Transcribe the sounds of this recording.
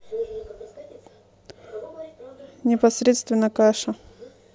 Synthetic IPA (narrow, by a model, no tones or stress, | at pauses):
nʲɪpɐsɾʲet̪st̪vʲɪnːəkaʂə